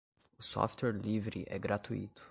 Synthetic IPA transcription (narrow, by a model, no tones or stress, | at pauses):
sɔ̰ft̪əɾlivɾḭʔɛɡɾat̪ʰuḭt̪